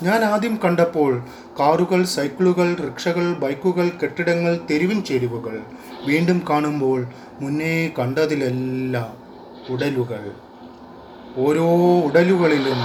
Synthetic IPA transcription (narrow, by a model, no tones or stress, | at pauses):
ɲaːnaːd̪jɐmkɐɳɖɐpːo̞ːɭ | kaːruɣɐɭsɐjkɭuɣɐɭrikʂɐɣɐɭbɐjkːuɣɐɭke̞ʈːiɽɐŋːɐɭt̪eɾiʋiɲt͡ɕeɾuʋuɣɐɭ | ʋiːɳɖumkaːɳumbo̞ːɭ | munːekɐɳɖɐðilelːɐ | uɽɐluɣɐɭ | o̞ːɾoːuɽɐluɣɐɭilum